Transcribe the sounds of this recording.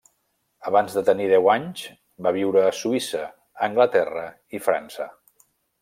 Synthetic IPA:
əβanzðət̪əniðɛwaɲz | baβ̞iwɾəːsuisəː | ŋɡlət̪ɛrə | ifɾa̰nsə

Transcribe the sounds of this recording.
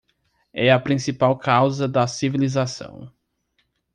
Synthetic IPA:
ɛɐpɾĩsipawkawzɐd̪ɐsivilizasɐ̰̃w̃

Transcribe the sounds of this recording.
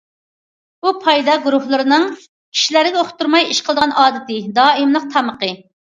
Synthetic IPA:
b̥upʰɑjd̪ɑɡuɾuhlˠɨɾɨnɨŋ | kʲʰi̥ʃilæɾɪɡʲɛoχt̪uɾmɑjiʃqʰəlˠd̪əʁɑnʔɑːd̪ɪt̪ɪd̪ɑːimlˠəq̚t̪ʰɑməqə

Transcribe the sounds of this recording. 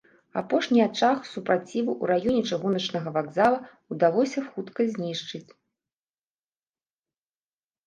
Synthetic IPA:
a̰pɔʂnʲiat͡ʂaxsupɾat͡sʲivɨʔuɾajɔnʲɛt͡ʂɨɣunɐt͡ʂnɐɣɐvaɡzalˠɐ | ud̪alˠɔsʲɐxut̪kɐzʲnʲiʂt͡ʂɨt͡sʲ

